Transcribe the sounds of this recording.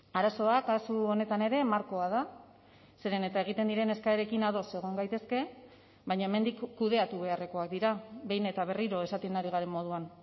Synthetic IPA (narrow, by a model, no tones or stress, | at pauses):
aɾaso̞akasuo̞ne̞t̪ane̞ɾe̞maɾko̞að̞a | se̞ɾe̞ne̞t̪ae̞ɣ̞it̪e̞nd̪iɾe̞ne̞skaeɾe̞kinaðo̞se̞ɣ̞o̞ŋɡajt̪e̞ske̞ | βajɲae̞me̞nd̪ikːuð̞e̞at̪uβe̞are̞ko̞ak̚d̪iɾabe̞jne̞t̪aβ̞e̞riɾo̞e̞sat̪enaɾiɣ̞aɾe̞mmo̞ð̞uan